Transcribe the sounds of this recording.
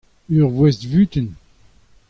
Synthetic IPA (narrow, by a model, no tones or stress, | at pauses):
yʁvwɛstvyt̪ən